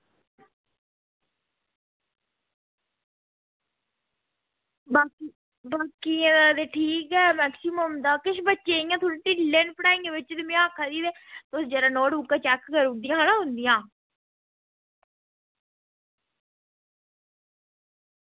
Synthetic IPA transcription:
baːki | baːkiẽːad̪eːʈʰiːkɛːmɛːksɪməmd̪aːkɪʃbətːʃeːijãːt̪ʰuɾʈiːlenpəɽaːɪ̃ŋɡeʋɪt͡ʃd̪ɪmĩaːkʰad̪iːd̪eːt̪oːsd͡ʒəːɾaːnɔːɽuːkːaːt͡ʃɛːkkəɾud̪ijãːɦanãːɦʊnd̪ijãː

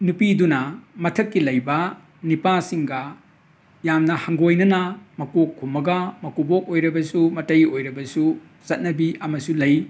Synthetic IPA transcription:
nupidunɐmɐtʰɐkːilɐjbɐ | nipasiŋɡɐ | jamnɐhɐŋɡojnɐnɐmɐkokʰːumɐɡɐmɐkubok̚ojɾɐbɐsumɐtɐjojɾɐbɐsu | t͡ʃɐt̚nɐbiɐmɐsulɐj

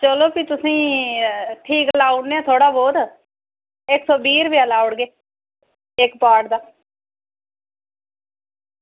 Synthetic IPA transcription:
t͡ʃəloːpit̪ʊsĩː | ʈʰiːklaːʊɳneɛːt̪ʰoːɽaːboːd̪ | ɪksɔːbiːɾbialaːʊɽɡeː | ɪkpaːɾʈd̪aː

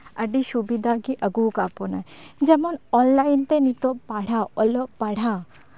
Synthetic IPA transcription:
ɐɖiʃubid̪ʱakiʔɐɡukaponad͡ʒɐmonɔnlaint̪enit̪opaɽ̤aɔlɔpaɽ̤a

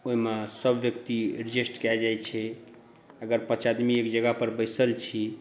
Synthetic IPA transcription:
oɦimesəbʱʋjək̚t̪iɾid͡ʒisʈkɛd͡ʒajt͡ʃʰɛ | əɡəɾpət͡ʃad̪miekd͡ʒəɡapəɾbəjsəlt͡ʃʰi

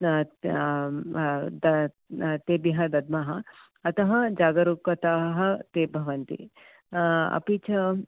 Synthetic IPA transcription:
d̪ | t̪eːbjɐɦɐd̪ɐd̪̚mɐɦɐ | ɐt̪ɐɦɐd͡ʒaːɡɐɾukɐt̪aːɦɐ̆t̪eːbʱɐʋɐnt̪ḭ | ɐ̰pit͡ʃʰɐ

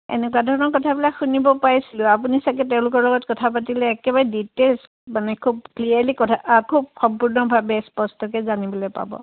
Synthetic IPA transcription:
ḛnɛkuwadʱɔɹɔnɔɹkɔtʰabilakxunibɔpaɹisilʊ̃apunisak̬ɛt̬ɛʊ̃lʊkɔɹlɔɡɔtkɔtʰapatilɛːkɛbaɹɛditels | manɛkʰub̚kliaɹlikɔtʰakʰub̚xɔmpuɹnɔbʱabɛspɔstɔk̬ɛzanibɔlojpa̰bɔ̰

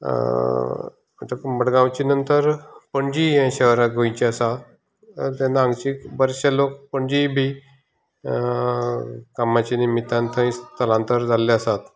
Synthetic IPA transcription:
ət̪əkməɽɡãwt͡ɕinənt̪əɾpəɳd͡ʑiãɕəɦɾãɡʱojt͡ɕiəsa | t̪ẽnãŋɡt͡ɕikbəɾɕalokpəɳd͡ʑibʱi | kamat͡ɕinimit̪ãnt̪ʰə̃ĩst̪əlãnt̪əɾd͡zaleəsat̪

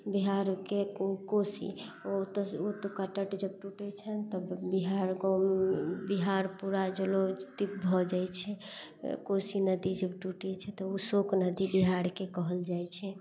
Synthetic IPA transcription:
biɦaɾkekosḭot̪ɔot̪okəʈəʈd͡ʒəb̚ʈuʈɛt͡ʃʰənt̪əbbiɦaɾɡɔmbiɦaɾpuɾad͡ʒəlot̪ip̚bʱɔd͡ʒajt͡ʃʰɛkosinəd̪id͡ʒəbʈuʈɛt͡ʃʰɛt̪ɔusoknəd̪ibiɦaɾkekɔɦəld͡ʒajt͡ʃʰɛ

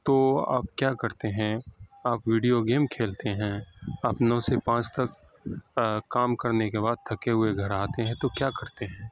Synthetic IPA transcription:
t̪oːa̰ːpkjaːkɐɾt̪eɦɛ̃aːpʋiːɖijoɡeːmkʰeːlt̪eɦɛ̃ɐpnõsepãːt͡ʃt̪ɐk | kaːmkɐɾnekebaːd̪̚t̪ʰɐkeɦʊeɡʱɐɾaːt̪eɦɛ̃t̪okjaːkɐɾt̪eɦɛ̃ː

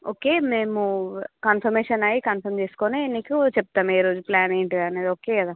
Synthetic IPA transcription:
oːkeːmeːmukaːnpʰɐɾmeːʃɐnɐjikɐnpʰɐɾmt͡ʃe̞ːsu̥koːneenːikut͡ʃɛp̚t̪aːmeːɾoːd͡ʒuplaːneːɳʈiɐneːd̪oːkeːkɐd̪aː

